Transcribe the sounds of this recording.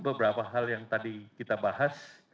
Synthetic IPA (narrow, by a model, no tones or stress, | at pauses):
bəbəɾapaɦaljaŋt̪adikit̪abaɦas